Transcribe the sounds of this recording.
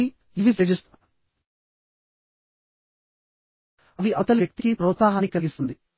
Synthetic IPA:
i | iʋipɾɐd͡ʒist̪ | ɐʋiɐt̪ɐlʋjɐk̚t̪ikipɾoːt̪saːɦɐnikɐlɡisund̪i

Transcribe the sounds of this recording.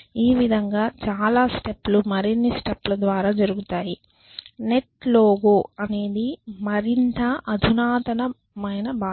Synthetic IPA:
iːʋid̪ʱɐŋɡaːt͡ʃaːlaːsʈeplumɐɾinːisʈeplɐd̪ʋaːɾaːd͡ʒɐɾuɡut̪aːji | ne̞ʈloːɡoːɐne̞ːd̪imɐɾint̪ɐɐd̪ʱunaːt̪ɐnɐ | mɐjnɐbaː

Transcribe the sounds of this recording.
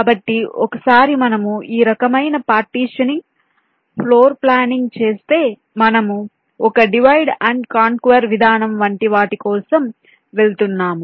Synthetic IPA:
bɐʈːiɔkɐsaːɾimɐnɐmuiːɾɐkɐmɐjnɐpaːɾʈiːʂɐniŋ | pʰloːɾplaːniŋɡt͡ʃe̞ːst̪e̞ː | mɐnɐmu | ɔkɐɖiʋɐjɖɐɳɖkaːŋkʋɐɾʋid̪ʱaːnɐmʋɐɳʈiʋaːʈikɔːsɐm | ʋe̞lut̪unːaːmu

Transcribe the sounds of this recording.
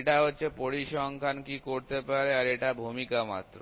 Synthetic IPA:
ʈaɦotːɕʰepoɾiʃɔŋkʰankikoɾt̪epaɾeaɾeʈabʱumikama̰t̪ːɾo̰

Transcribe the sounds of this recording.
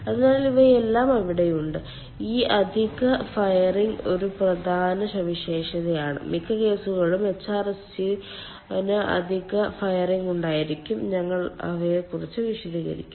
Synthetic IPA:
ɐðɨnaːɭiliʋɐelːaːmɐʋiɽejuɳɖɨ | iːʔɐd̪ʱiɣɐfɐjɐriŋɡo̞ɾuprɐd̪ʱaːnɐɕɐʋiɕe̞ːʂɐðɐjaːɳɨ̰mikʰːɐke̞ːsuɣɐɭumet͡ɕːaːrɐs | i | nɨʔɐ̰d̪ʱiɣɐfɐjɐriŋɡuɳɖaːjiɾikʲːumɲɐŋːɐɭɐ̰ʋekurit͡ɕːɨʋiʂɐd̪ʱiːɣɐ̰ɾḭkʲːum

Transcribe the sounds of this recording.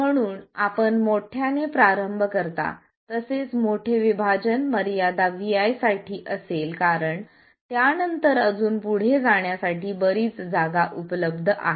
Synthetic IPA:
m̤əɽ̃uːna̰pəɳmoʈʰjanepɾaɾəmbʱkəɾt̪a̰ | t̪əset͡smoʈʰeʋibʱad͡ʑənməɾjad̪aʋiajsaʈʰiːʔəselkaɾəɳ | t̪janənt̪əɾəd͡zuːnpuɽ̤ed͡zaɳjasaʈiːbəɾiːt͡sd͡zaɡaʔupləbd̪ʱʔa̰ɦe

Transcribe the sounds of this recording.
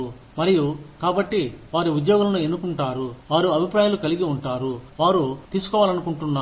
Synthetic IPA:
mɐɾijukaːbɐʈːiʋaːɾiud̪jɔːɡɐlɐnue̞nːukuɳʈaːɾuʋaːɾuɐbʱipɾaːjaːlukɐliɡiuɳʈaːɾuʋaːɾut̪iːsu̥kɔːʋaːlɐnukuɳʈunːaː

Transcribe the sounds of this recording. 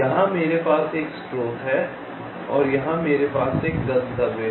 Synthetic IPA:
jɐɦãmeːɾepaːseːksʈɾoːt̪ɦɛ | ɔːɾjɐɦãmeːɾepaːseːkɡɐ̃nd̪əbe

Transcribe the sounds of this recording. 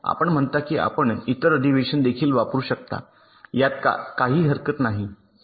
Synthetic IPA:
a̰pəɳm̤əɳt̪akiːʔa̰pəɳit̪əɾədiʋeɕənd̪ekʰiːlʋapɾuːɕək̚t̪a̰ | jat̪̚ka̰kaɦiːɦəɾkət̪naɦi

